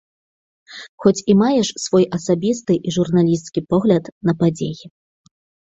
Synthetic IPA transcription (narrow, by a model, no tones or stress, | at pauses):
xɔt͡sʲimajɛʂsvɔjʔɐsabʲist̪ɨʔiʐurnalʲist̪skʲipɔɣlʲɐt̪nɐpad͡zʲḛji